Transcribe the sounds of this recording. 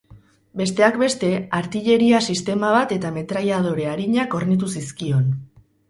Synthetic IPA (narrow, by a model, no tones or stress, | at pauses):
be̞st̪e̞akbe̞st̪e̞aɾt̪iʎe̞ɾiasist̪e̞maβ̞at̪e̞t̪ame̞t̪ɾajað̞o̞ɾe̞aɾiɲako̞rnit̪̬usiskio̞n